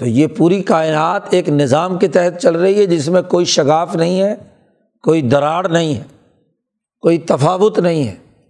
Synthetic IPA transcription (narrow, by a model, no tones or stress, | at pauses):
t̪oːjepuːɾikaːɪnaːt̪eːknɪzaːmket̪ɛɦɛt̪̚t͡ʃɐlɾɐɦiɦɛd͡ʒɪsmẽkoːiʃɐɣaːfnɐɦĩɦɛː | koːid̪ɐɾaːɽnɐɦĩɦɛː | koːit̪ɐfaːʋʊt̪nɐɦĩɦɛ̰ː